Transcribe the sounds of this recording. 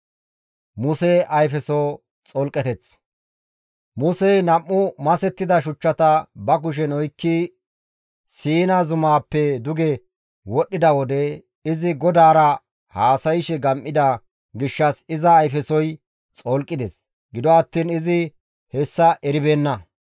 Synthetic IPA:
mʊsɛʔɐjfɛsoː | t͡sʼɔlkʼːɛt̪ɛt͡s | mʊsɛjnɐmːʊmɐsɛt̪ːɪd̪ɐʃʊt͡ʃːɐt̪ɐbɐk̬ʊʃ̬ɛnɔjkːi | siːnɐzʊmaːpːɛd̪ʊɡɛ | wɔɗːɪd̪ɐwɔd̪ɛ | ɪzɪɡɔd̪aːɾɐ | haːsɐjɪʃɛɡɐmʔːɪd̪ɐ | ɡɪʃːɐsɪzɐːjfɛsɔj | t͡sʼɔlkʼːɪd̪ɛs | ɡɪd̪ɔɐt̪ːiːnɪzɪ | hɛsːɐʔɛɾɪbeːnːɐ

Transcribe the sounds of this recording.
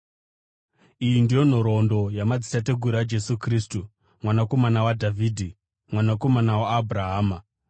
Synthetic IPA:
ijindijo̞n̤oɾo̞ndo̞jamad͡zitate̞ɡʱuɾad͡ʒe̞sukriːstu | mwanako̞manawadʱavʱiːdʱi | mwanako̞manawaːbʱraɦaːma

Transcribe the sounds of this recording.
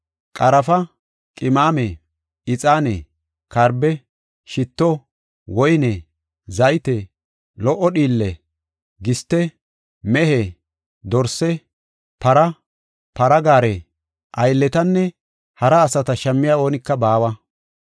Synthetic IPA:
kʼɐɾɐfɐ | kʼɪmaːme | ɪt͡sʼaːnḛ | kɐɾbɛ | ʃɪt̪ːɔ | wɔjnɛ | zɐjt̪e | lɔʔɔɗiːlːɛ | ɡɪst̪ːɛ | mɛɦe | d̪ɔɾsɛ | pɐɾɐ | pɐɾɐɡaːɾe | ʔɐjlːɛt̪ɐnːɛ | hɐɾɐːsɐt̪ɐʃɐmːɪjaːo̞ːnɪkːɐbaːwɐ

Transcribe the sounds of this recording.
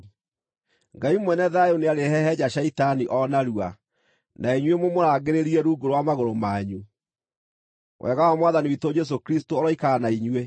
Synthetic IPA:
ŋɡaimwɛnɛðajoneaɾehɛhɛd͡ʑaɕɛitaniʔɔnaɾua | naiɲwemomoɾaːɡeɾeɾiɛɾuːɡoɾowamaɣoɾomaːɲu | wʔɛ̰ɣawamwaðaniwitod͡ʒɛs̬okɾistoɔɾɔikaːnaiɲwe

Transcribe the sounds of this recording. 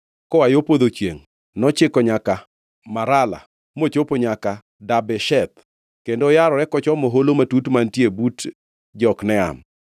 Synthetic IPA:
kɔajopod̪ot͡ʃjeŋ | nɔt͡ʃɪkɔɲaka | maɾala̰ | mot͡ʃopoɲaka | dabɛʃɛt̪ | kendojaɾɔɾɛkɔt͡ʃɔmoɦolomatutmantjebut | d͡ʒɔknɛa̰m

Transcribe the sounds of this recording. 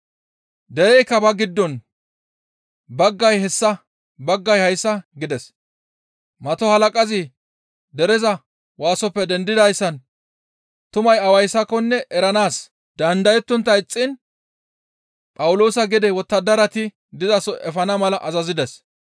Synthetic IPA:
d̪ɛɛjkːɐbɐɡɪd̪ːɔn | bɐɡːɐjhɛsːɐ | bɐɡːɐjhɐjsːɐɡɪd̪ɛs | mɐt̪ɔhɐlɐkʼɐzɪ | d̪ɛɾɛzɐ | waːsɔpːɛd̪ɛnd̪ɪd̪ɐjsːɐn | t̪ʊmɐjɐwɐjsːɐkːɔnːɛʔɛɾɐnaːs | d̪̥ɐnd̪ɐjɛt̪ːʊnt̪ːɐɪt͡sʼːɪn | pʼɐwʊlo̞ːsɐɡɪd̪ɛwɔt̪ːɐd̪ɐɾɐt̪ɪ | d̪ɪzɐsɔʔɛfɐnɐmɐlɐʔɐzɐzɪd̪ɛs

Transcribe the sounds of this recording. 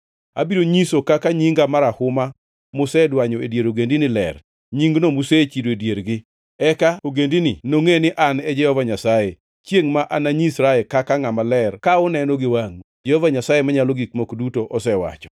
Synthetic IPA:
a̰biɾoɲisokakaɲiŋɡamaɾahʊma | mʊsɛdwaɲɔedjeɾoɡendinɪlɛ̰r | ɲiŋɡnomuset͡ʃidoedjeɾɡɪ | ɛkaoɡendinɪnoŋenɪʔanɛd͡ʒɛhɔvaɲasaje | t͡ʃjeŋmaʔanaɲisɾaɛlkakaŋamalɛrkaʊnɛnɔɡɪwaŋd͡ʒɛhɔvaɲasajemaɲaloɡikmokdutoʔɔsɛwa̰t͡ʃɔ̥

